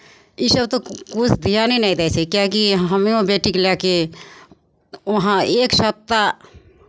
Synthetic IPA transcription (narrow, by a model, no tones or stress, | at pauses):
isəb̚t̪okut͡ʃʰd̪ʱijaninɛĩd̪ɛjsɛkjakiɦɦəmiõbeʈiklɛke | oɦãeksəp̚t̪a